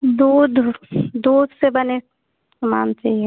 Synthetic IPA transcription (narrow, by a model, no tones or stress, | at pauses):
d̪uːd̪ʱd̪uːd̪ʱsebɐne | sɐma̰ːnt͡ʃaːie